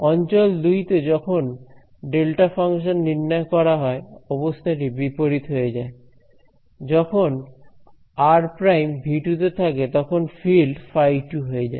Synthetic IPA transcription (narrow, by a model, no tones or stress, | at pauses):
ɔnt͡ɕold̪ujt̪ed͡ʑɔkʰon | ɖelʈafaŋʃonːiɾnakɔɾaɦɔeɔbost̪ʰaʈ̬ibipoɾit̪ɦojed͡ʑae | d͡ʑɔkʰon | aɾpɾajmbʱiʈut̪et̪ʰaket̪ɔkʰonfilɖfajʈuɦoed͡ʑa̰e